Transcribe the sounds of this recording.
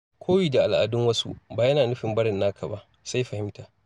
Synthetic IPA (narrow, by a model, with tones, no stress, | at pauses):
kʷʰoː˦wiː˨da˨ʔa˨lʔa̰˨dʊ˦ŋwɐ˦sṵ˦baː˨jɐ˦naː˨nʊ˦ɸɪ˨mbɐ˦ɽɪ˨nːaː˦kʰa˨ba˦ʔ | sa˦jɸɐ˨hɪ˦mtaː˨